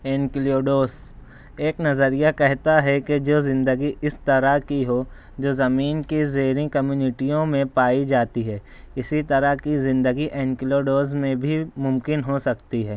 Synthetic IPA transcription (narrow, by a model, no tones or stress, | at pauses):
eːnklioːɖoːs | eːknɐzəɾijakɛɦt̪aɦɛked͡ʒoːzɪ̃nd̪əɡiʔɪst̪ɐɾakiɦoː | d͡ʒoːzɐmiːnkizeːɾĩkɐmjuːnɪʈijõmẽpaːid͡ʒaːt̪iɦɛː | ɪsit̪ɐɾakizɪ̃nd̪əɡiʔeːnkɪloːɖoːzmẽbʱimʊ̃mkɪnɦosɐkt̪iɦɛː